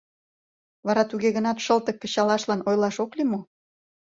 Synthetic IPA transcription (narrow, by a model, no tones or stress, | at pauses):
βɑɾɑt̪uɣeɣənɑt̪ʃəlt̪ə̆kːə̆ɕɑlɑʃlɑnojlɑʃoklimo